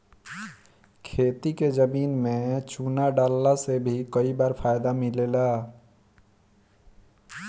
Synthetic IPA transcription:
kʰet̪iked͡ʒəminmet͡ʃunaɖalːasebʱikəibaɾpʰajd̪amilela

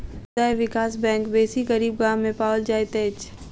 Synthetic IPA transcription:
aeʋɪkaːsbɛ̃ːŋkbeːsiɡəɾiːbɡãːẽpaːəld͡ʒaːjt̪eːt͡ʃ

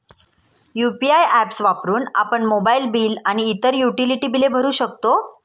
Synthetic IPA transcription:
jupiajæpsʋapɾuːna̰pəɳmobailbiːlaɽ̃iːt̪əɾjuʈiliʈiːbilebʱəɾuːɕək̚t̪o

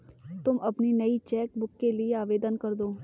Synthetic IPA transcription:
t̪ʊmʔɐpninɐit͡ʃɛːk̚bʊkːelieaːʋeːd̪ənkəɾd̪oː

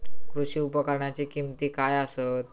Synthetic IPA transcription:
kɾuɕiupəkəɾɳat͡ɕikimt̪ikajasət̪̚

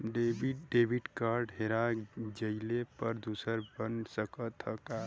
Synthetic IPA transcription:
ɖebiɖebʱiʈkaɾɖɦeɾad͡ʒəɪlepəɾd̪usəɾbənsəkət̪ɦəka

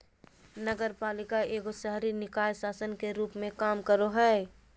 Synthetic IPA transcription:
nəɡəɾpaːlɪkaeːɡosəɦɾinɪkaːjsaːsənkeɾuːpmẽkaːmkəɾoɦɛː

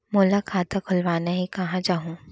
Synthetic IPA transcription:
moːlakʰaːt̪akʰʊlʋaːneɦikɐɦãd͡ʒaːɦũː

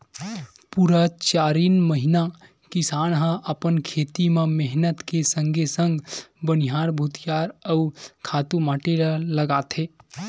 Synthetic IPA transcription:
puɾət͡ʃaːɾiːnməɦina | kisaːnɦə̃ʔəpənkʰet̪imemeɦnət̪kesəŋɡʱesə̃ŋɡbəniɦaːɾbʱut̪jaɾəukʰaːt̪umaːʈeɾələɡaːt̪ʰe

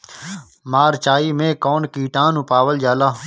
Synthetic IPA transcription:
maːɾt͡ʃaːiːmẽːkoːnkiːʈãːnʊpaːʋəld͡ʒaːlaː

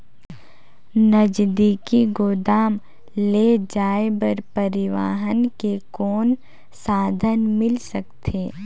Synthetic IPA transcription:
nəd͡ʒd̪iːkiɡoːd̪aːm | led͡ʒaːebəɾpɐɾɪʋa̰ːɦənkekɔːn | saːd̪ʱənmɪlsək̚t̪ʰeː

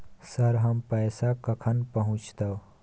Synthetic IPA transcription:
səɾɦəmpəjsakəkʰənpəɦũt͡ʃt̪əw

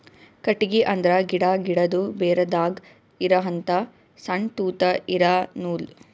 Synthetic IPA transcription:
kɐʈːiɡiʔɐnd̪ɾɐɡiɽaɡiɽɐd̪ubeːɾɐd̪aːɡ | iɾɐɦɐnt̪ɐ | sɐɳʈ̪uːt̪ɐʔiɾanuːl

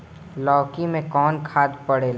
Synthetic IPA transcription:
lɔːkimẽkɔːnkʰaːd̪pəɽeːl

